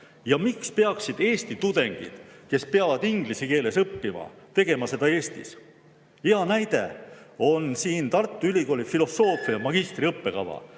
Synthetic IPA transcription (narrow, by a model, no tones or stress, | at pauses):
jɑmikspe̞ɑksid̪̥e̞ːst̪it̪ud̪̥e̞ŋɡ̥ḭd̪̥ke̞speɑvɑd̪iŋɡ̥lisike̞ːle̞sɤpːimɑ̰t̪e̞ɡ̥e̞mɑse̞d̪ɑe̞ːst̪ḭs | iɑnæjd̪̥e̞̰o̞nsiːnt̪ɑrt̪ːˑuylʲiko̞ːlʲifilo̞sːo̞ːfˑijɑmɑɡ̥ist̪riɤpːe̞kɑ̰vɑ̰